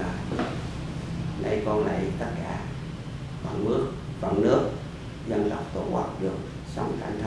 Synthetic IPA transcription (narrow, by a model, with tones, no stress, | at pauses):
aː˨˩ | nʔa̰˧˩jkɔ˧nla̰˧˨jt̪ə˦˥t̚kaː˧˩ | va̰˧˨nmɨ˦˥ək̚va̰˧˩nnɨ˦˥ək̚ | zə˧nt̪a˨˩wk͡p̚t̪o˧˩ʔa˦˥t̚ɗɨ˨˩ək̚ | sa˧wŋ͡mxaː˧˩ŋt̪ʰ